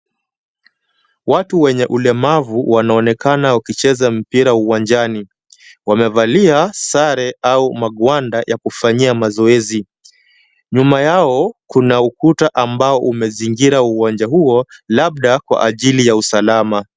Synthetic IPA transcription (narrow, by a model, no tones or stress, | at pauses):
watuwɛɲɛʔulɛmavuwanaɔnɛkanaukit͡ʃɛzam̩piɾauwand͡ʒani | wamɛvaliasaɾɛaumaɠwandajakufaɲiamazɔɛzi | ɲumajaɔkunaukutaʔambaɔʔumɛziŋɡiɾauwand͡ʒaɦuɔlaɓ̚ɗakwa̰ʔaʄilijausalama